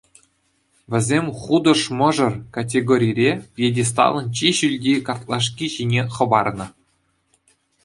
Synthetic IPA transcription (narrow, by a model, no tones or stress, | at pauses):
ʋʲɘ̆zʲemʲχud̪ɤ̆ʂmɤ̆ʐɤ̆rkat̬ʲeɡoɾʲijɾʲejedʲes̬t̪ɑ̰lˠɤ̆nt͡ɕiɕylʲdʲekɑrt̪lˠɑʂ̬kʲiʑinʲeχɤ̆bɑrnɤ̆